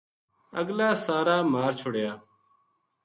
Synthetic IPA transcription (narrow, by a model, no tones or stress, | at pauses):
əɡlaːsaːɾaːmaːɾt͡ʃʰʊɽjaː